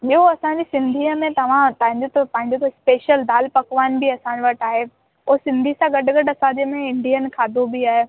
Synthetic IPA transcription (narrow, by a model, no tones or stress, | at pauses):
ɓioɐsãːɲd͡ʑisɪ̃nd̪ʱiːəmẽt̪ɐʋ̤ãt̪ɐ̃ɦɪ̃ɲd͡ʑot̪opɐ̃ɦɪ̃ɲd͡ʑot̪ʰoɪspeːʃəld̪aːlpɐkʋaːnbiɐsãːd͡ʑoʋɐʈaːɦe | oɦsɪ̃nd̪ʱisãɡɐɖɡɐɖɐsãːd͡ʑemẽɪ̃ɳɖiənkʰaːd̪obiaːɦe